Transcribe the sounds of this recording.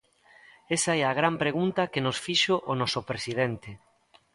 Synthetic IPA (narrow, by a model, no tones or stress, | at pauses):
esaɛaɣ̞ɾampɾeɣ̞unt̪ɐkenosfiʃoʔːnɔsopɾesið̞ent̪e